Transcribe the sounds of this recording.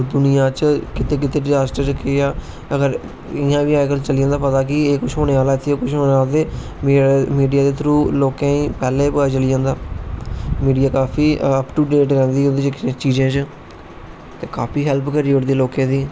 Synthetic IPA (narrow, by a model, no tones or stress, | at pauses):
d̪ʊnɪjãːt͡ʃkɪt̪eːk̬ɪt̪eːɖzaːsʈəɾt͡ʃəkeːaː | əɡəɾ | ɪjãːʋiːãːkəlt͡ʃəliːãːnd̪aːpət̪aːkɪːkʊt͡ʃɦoːneːaːlaːt̪ʰeokʊʃʰɦoːeaːld̪eː | mːmiːɖijaːd̪eːt̪ʰɾuːloːkãːĩːpɛːleːpəat͡ʃəliãːnd̪aː | miːɖijaːkaːpʰiːʔəpʈuːɖeːʈɾɛ̃ːnd̪iːɦoːd̪eːt͡ʃt͡ʃiːd͡ʒẽːt͡ʃ | t̪eːkaːpʰiːɦɛlpkəɾiːʊɽd̪eːloːkẽːd̪iː